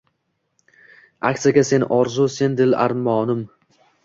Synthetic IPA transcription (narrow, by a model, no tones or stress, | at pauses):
akʲt̪ɨjaɡʲase̞nʔɒɾzuse̞nd̪ɪla̰ɾmɒːnɪm